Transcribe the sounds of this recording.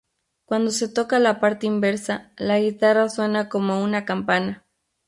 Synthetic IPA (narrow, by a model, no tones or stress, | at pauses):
kwand̪oset̪okalapaɾt̪eimbeɾsalaɣit̪arasonakomounakampana